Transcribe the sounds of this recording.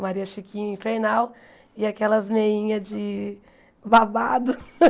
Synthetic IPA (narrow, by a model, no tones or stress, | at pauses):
maɾiɐʃikĩɲĩfeɾnaw | ɪakɛlɐzmeĩɲɐd͡ʒɪ | babad̪ʊ